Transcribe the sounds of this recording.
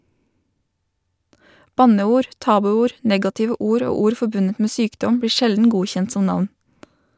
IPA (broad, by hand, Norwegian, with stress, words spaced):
ˈbɑnəˌuːɾ ˈtɑːbʉˌuːɾ ˈnɛɡɑtɪʋə ˈuːɾ ˈoː ˈuːɾ ˈfɔbʉnət ˈmeː ˈsyːkdɔm ˈbɽiː ˈʃɛldn̩ ˈɡuːçɛnt ˈsɔm ˈnɑʋn